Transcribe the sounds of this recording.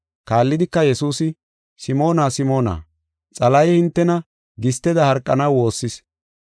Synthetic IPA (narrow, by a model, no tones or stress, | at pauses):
kaːlːɪd̪ɪkːɐjɛsuːsɪ | sɪmo̞ːnaːsɪmo̞ːna̰ː | t͡sʼɐlɐjhɪnt̪ːɛnɐ | ɡɪst̪ːɛd̪ɐhɐɾkʼːɐnɐwwo̞ːsːɪs